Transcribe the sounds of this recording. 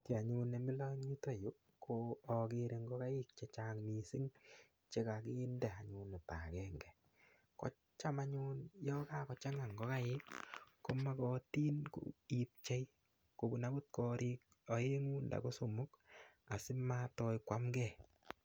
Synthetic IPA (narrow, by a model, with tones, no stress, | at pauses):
ti˨a˨ɲu˧ne˨mi˦lɔ˦i˦to˦jo˦ | kʰoː˨kɪ˧ɾe˨ŋɡɔ˦ka˦jɪ˦k̚t͡ʃe˦t͡ʃaŋmi˨si˦ŋ | t͡ʃe˦ka˨kɪ˦ndɛ˨a˨ɲu˨ne˨ta̰˨kɛ˦ŋɡɛ˨ | kɔ̰˦ | t͡ʃa˦ma˦ɲu˦njɔ˦ka˦kɔ˨t͡ʃa˦ŋa˨ŋɡɔ˦ka˦jɪ˦kːo˦ma˦kɔ˦ti˦nko̰˨i˨p̚t͡ʃe˦j | ko˨bu˨na˦ɡu˦t̚kɔ˧ɾʔɪ˦k̚ | ɔ˨je˦ŋu˦nda̰˨ko˦so˨mʊ˦ka˨sɪ˦ma˦tɔ˧jkwa˦mɡɛ˦˨